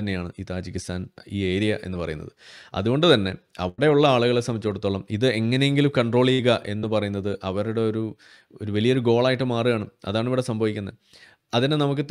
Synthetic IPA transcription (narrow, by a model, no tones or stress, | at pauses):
ɐnːe̞jaːɳɨiːt̪aːd͡ʑikʲːist̪ʰaːniːe̞ːɾijɐʔe̞̰nːɨpɐrɐ̰junːɐ̰ðɨɐ̰ðuɣo̞ɳɖɨt̪ɐnːe̞̰ɐ̰ʋɽe̞uɭːɐaːɭuɣɐɭesɐmit͡ɕːuoɽut̪ːoːɭːɐmiðɨe̞ŋːɐne̞jeŋɡilumkɐɳɖro̞ːɭijɣɐʔe̞nːɨpɐrɐjunːɐðɨʔɐʋɐɾuɽe̞o̞ɾu | oɾuʋɐlijɐoɾuɡo̞ːɭaːjiʈːɨmaːrijaːɳɨɐ̰ðaːɳiʋiɽe̞sɐmbʱɐʋikʲːunːɐ | ɐðinenɐmuk̬ːɨ